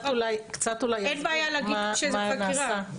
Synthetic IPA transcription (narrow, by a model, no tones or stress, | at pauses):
tulajkt͡sat̪ulajenbaːjalaɡiaʃemaanaːiʁsaa